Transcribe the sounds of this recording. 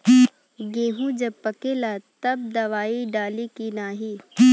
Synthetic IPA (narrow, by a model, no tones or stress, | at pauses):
ɡeːɦũd͡ʒɐbpɐkeːlat̪ɐb̚d̪ɐʋaːiɖaːlikinaːɦiː